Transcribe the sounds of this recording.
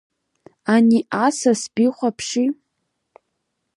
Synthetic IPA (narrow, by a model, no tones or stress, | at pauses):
aniʔasasbiχʷapʰʂi